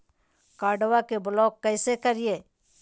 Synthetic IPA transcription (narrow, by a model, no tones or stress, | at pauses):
kaːɖwakebʊlɔːkːɛɪsekəɾieː